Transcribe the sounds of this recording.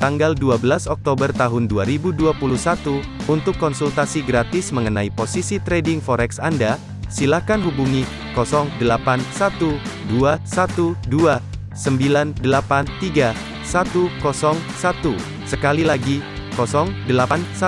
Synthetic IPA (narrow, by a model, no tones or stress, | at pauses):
t̪aŋɡalduabəlasɔk̚t̪obərt̪aɦʊnduaɾibuduapuluhsat̪u | unt̪ʊkːɔnsult̪asiɡɾat̪ɪsməŋənaiposisit̪ɾedɪŋfɔɾɛksanda | silakanɦubuŋi | kɔsɔŋdəlapansat̪uduasat̪udua | səmbilandəlapant̪iɡa | sat̪ukɔsɔŋsat̪u | səkalilaɡi | kɔsɔŋdəlaansa